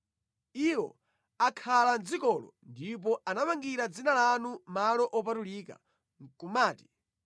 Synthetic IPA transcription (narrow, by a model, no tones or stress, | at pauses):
iwɔ̰ | akʰaland͡zikɔlɔ̰ndip̬ɔʔanamaŋɡiɾad͡zinalanumalɔʔɔpatuliːka̰ | ŋkumaːti̥